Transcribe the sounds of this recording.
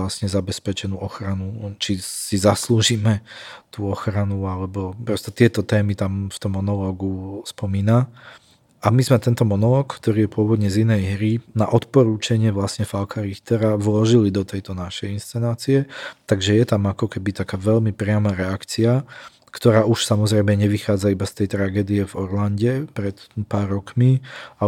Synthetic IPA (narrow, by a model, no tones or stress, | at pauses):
lasɲɛzabɛspɛt͡ʃɛnuʔɔxɾanut͡ʃisizasluːʒiːmɛt̪uːɔxɾanualɛbɔpɾɔst̪ɔt̪ɪɛt̪ɔt̪ɛːmit̪amft̪ɔmːɔnɔlɔːɡuspɔmiːna | amizmɛt̪ɛnt̪ɔmɔnɔlɔːkkt̪ɔɾiːjɛpʊɔʋɔd̪ɲɛzinɛjɦɾinaʔɔt̪pɔɾuːt͡ʃaɲɪɛʋlasɲɛfalkʰaɾixt̪ɛɾaʋlɔʒilid̪ɔt̪ɛjt̪ɔnaʃɛjinst͡sɛnaːt͡siɛt̪aɡʒɛjɛt̪amakɔkɛbit̪akaːʋɛʎmipɾɪamaɾɛakt͡sia | kt̪ɔɾaːʔuʃsamɔzɾɛjmɛɲɛʋixaːd͡zaibast̪ɛjt̪ɾaɡɛːd̪iɛvɔɾlanɟɛpɾɛt̪paːɾːɔkmia